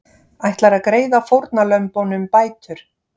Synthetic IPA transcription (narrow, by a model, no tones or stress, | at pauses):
ajht̪laɾaðkɾeːjðafowɾt̪nalœɥmpownʏmpaːjt̪ʏɾ̥